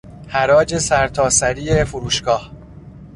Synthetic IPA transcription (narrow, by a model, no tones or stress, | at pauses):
hæɾɒːd͡ʒe̞sæɾt̪ʰɒːsæɾiːefuɾuːʃɡɒːh